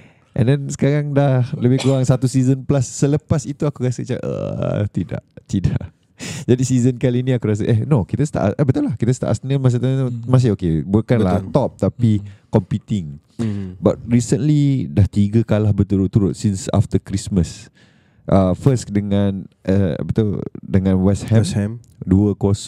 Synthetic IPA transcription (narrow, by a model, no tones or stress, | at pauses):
ʔɛ̰̃ndɛnsə̥kaɾaŋdahləbɪhkuɾaŋsat̪usizənplasːələpasit̪uakuɾasət͡ʃa̰ʔə̰t̪ida̰ʔt̪idaʔ | d͡ʒadisizənkaliːnĩakuɾas̬aʔɛnokit̪ast̪a̰ʔa̰sʔəbət̪ulahkit̪ast̪a̰ʔa̰snəmas̬ət̪amãs̬ɪokebukanlat̪ɔp̚t̪apikɔmpit̪ɪŋ | ba̰t̪̚ɾisənlidaht̪iɡəkalahbət̪uɾʊt̪ːuɾʊt̪̚sinsa̰ft̪əkɾisməs | ʔəfəsdəŋãnʔə̰bət̪uldəŋãnwɛshɛɛm | duəkos